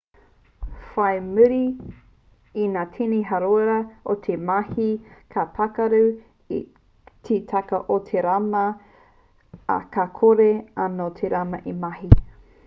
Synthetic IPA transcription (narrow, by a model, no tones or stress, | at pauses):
fɐjmʉɾi | inatʰiniɦɐɾoeɾɐot̪ʰemɐhikʰapʰɐkɐɾu | i | tʰitʰɐkɐʔot̪ʰeɾamɐ | kʰakʰoɾeɐnot̪ʰeɾamɐʔimɐhi